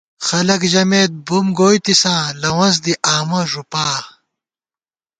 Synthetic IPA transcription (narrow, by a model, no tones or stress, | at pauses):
xɐlɐkʑɐmeːt̪̚bumɡoːjt̪isãːlɐwɐ̃z̬d̪iʔaːmɐʐupaː